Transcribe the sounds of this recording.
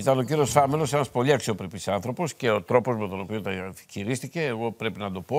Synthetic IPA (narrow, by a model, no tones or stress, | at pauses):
it̪ɐno̞ciɾiosθɐmelo̞se̞nɐspo̞liɐksio̞pɾepisɐnθɾo̞po̞sce̞ot̪ɾo̞po̞zmet̪o̞no̞pio̞nt̪ɐçiɾist̪ice̞ːɣo̞pɾe̞pinɐd̪o̞po̞